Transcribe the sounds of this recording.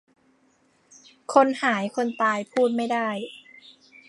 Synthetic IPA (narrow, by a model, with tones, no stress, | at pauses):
kʰo˧nhaː˩˦jkʰo˧nt̪aː˧jpʰuː˥˩t̪̚ma˥˩jda˥˩j